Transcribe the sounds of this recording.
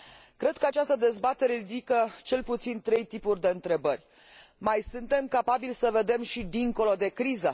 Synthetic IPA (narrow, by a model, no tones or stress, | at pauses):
kɾe̞d̪̥̚kəat͡ʃast̪əd̪e̞zbat̪e̞ɾe̞ɾid̪ikət͡ʃe̞lput̪sint̪ɾe̞jt̪ipurʲd̪e̞ɨnt̪ɾe̞bərʲ | majsunt̪e̞mkapabilsəve̞d̪e̞mʃid̪iŋko̞lod̪e̞kɾizə